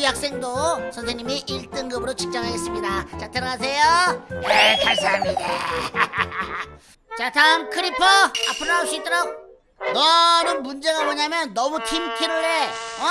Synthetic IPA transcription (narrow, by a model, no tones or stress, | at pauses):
jak̚s͈e̞ŋdosʰʌnsʰeɲimiʔiɭt͈ɯŋɡɯbɯɾot͡ɕʰi̥k̚t͡ɕ͈ʌŋɦaɡe̞s͈ɯmɲidat͡ɕatʰɯɾʌɡas̬ʰejojetʰasʰaamida | t͡ɕatʰamkʰɯɾipʰʌa̰pʰɯɾaɕ͈it͈ʰɯɾʌŋ | nʌnɯnmund͡ʑe̞ɣamoɲamjʌnːʌmutʰimtʰiɾuɭe